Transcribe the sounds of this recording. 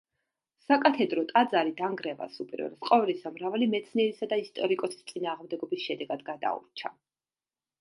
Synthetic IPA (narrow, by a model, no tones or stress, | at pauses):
sakʼat̪ʰɛd̪ɾɔt̪ʼad̪zaɾid̪aŋɡɾɛva̰supʼiɾɛ̰ɾsqʼɔvlisamɾavalimɛt̪sʰniɛɾisad̪aist̪ʼɔɾikʼɔsi̥st̪sʼinaːʁmd̪ɛɡɔbisʃɛd̪ɛɡad̪ɡad̪a̰ṵɾt͡ʃʰa